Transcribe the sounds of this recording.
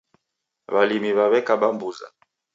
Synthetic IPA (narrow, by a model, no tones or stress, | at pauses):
βalimiβaβɛkaɓambuza̰